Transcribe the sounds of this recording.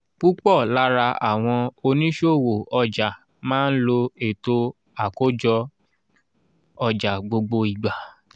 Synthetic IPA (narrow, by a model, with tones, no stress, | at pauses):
k͡pu˦k͡pɔ˦˨la˦ɾa˧ʔa̰˨w̃ɔ̃˧o˧nĩ˦ʃo˦˨wo˨ɔ˧d͡ʒa˨ | mãː˦n̩˦lo˧e˨to˧ | a˨ko˦d͡ʒɔ˧ | ɔ˧d͡ʒa˨ɡ͡bo˧ɡ͡bo˧i˨ɡ͡ba˨